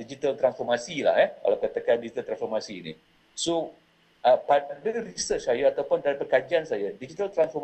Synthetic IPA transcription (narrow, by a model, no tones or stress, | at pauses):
did͡ʒit̪alt̪ɾansfɔrmasila̰hɛka̰lawkat̪əkandid͡ʒit̪alt̪ɾansfɔrmasiːnḭ | so | ʔəpadərisət͡ʃsajaat̪awpʊndaɾapəkad͡ʒiansajadid͡ʒit̪alt̪ɾansfɔm